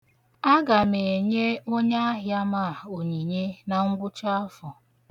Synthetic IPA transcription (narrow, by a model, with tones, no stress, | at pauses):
a˦ɡa˨me˨e˨ɲe˦o˦ɲa˦a˦ɦja˦ma˦˨o˨ɲi˨ɲe˦na˨ŋ̩˦ɡʊ˦t͡ʃa˦fɔ˨